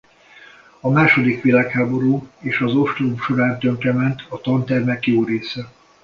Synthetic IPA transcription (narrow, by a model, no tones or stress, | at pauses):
ɒmaːʃo̞d̪ikʋilaːkhaːbo̞ɾuːeːʃɒzo̞ʃt̪rumʃo̞ɾaːnt̪øŋkrɛmɛnt̪ɒt̪ɒnt̪ɛrmɛkjoːɾeːsɛ